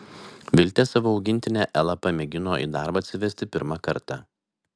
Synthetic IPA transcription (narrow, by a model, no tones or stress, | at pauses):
ʋʲɪlʲt̪ʲɛːsɑʋoːɒʊɡʲɪnʲt̪ʲɪnʲɛʔɛlˠɐpɐmʲɛɡʲɪnoːʔḭːd̪ɑˑɾbɐt̪ʲsʲɪʋʲɛsʲt̪ʲɪpʲɪɾmɑkɐɾt̪ɑ